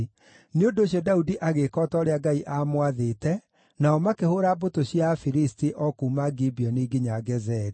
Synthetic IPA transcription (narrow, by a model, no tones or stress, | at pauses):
neondoɕjɔdaudiʔaɣekɔtɔɾeaɡaiʔamwaðeːtɛ | naɔmakehoɾabotoɕjafiɾistiʔɔkuːmaɡibiɔneːɡiɲaɡɛzɛɾi